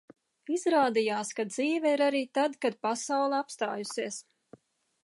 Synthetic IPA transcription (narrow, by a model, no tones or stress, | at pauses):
izɾaːd̪ijaːskad̪̚ziːvɛiɾaɾiːt̪ad̪kad̪̚pasawlˠɛapst̪aːjusiɛs